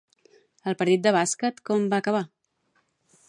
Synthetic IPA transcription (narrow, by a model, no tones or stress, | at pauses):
əlˠpəɾt̪it̪̚d̪əβ̞askət̪kɔmbaːkəβ̞a